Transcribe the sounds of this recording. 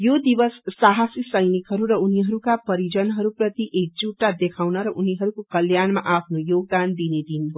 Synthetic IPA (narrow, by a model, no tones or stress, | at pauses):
jod̪ibʌsːaɦasisʌjnikɦʌɾuɾʌuniɦʌɾukapʌɾid͡zʌnɦʌɾuprʌt̪iʔek̚d͡zuʈːad̪ekʰawnʌɾʌʔuniɦʌɾukokʌljanmaʔapʰnojoɡ̚d̪and̪ined̪inɦo